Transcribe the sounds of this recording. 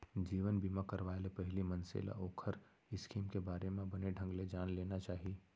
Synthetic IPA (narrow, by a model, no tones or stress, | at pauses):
d͡ʒiːʋənbʱiːmakəɾʋaːelepɛɦlimɐ̃nsḛːla̰ʔoːkʰəɾ | ɪskʰiːmkebaːɾemẽbɐneɖʱə̃ŋɡled͡ʒaːnleːnat͡ʃaːɦie